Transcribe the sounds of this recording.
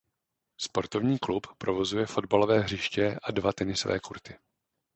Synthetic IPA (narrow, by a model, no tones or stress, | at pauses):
spo̞ɾt̪o̞vɲiːkluppɾovo̞zujɛfo̞dbalo̞vɛːɦr̝ɪʃcɛʔadvat̪ɛnɪsovɛ̰ːkuɾt̪ɪ